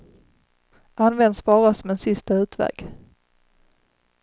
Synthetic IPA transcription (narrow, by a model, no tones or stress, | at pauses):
ʔanːvɛnd̪sbɑːɾasɔmɛnsɪst̪aʉ̟ːt̪vɛ̰ːɡ̥